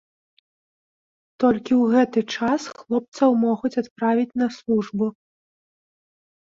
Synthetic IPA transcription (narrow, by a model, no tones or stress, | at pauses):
t̪ɔlʲkʲiwɣɛt̪ɨt͡ʂasxlˠɔp̚t̪sɐwmɔɣut͡sʲat̪pɾavʲit͡sʲnɐslˠuʐbu